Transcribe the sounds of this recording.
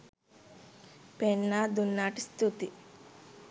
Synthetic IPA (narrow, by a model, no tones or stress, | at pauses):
pɛɳːad̪unːaːʈist̪ut̪i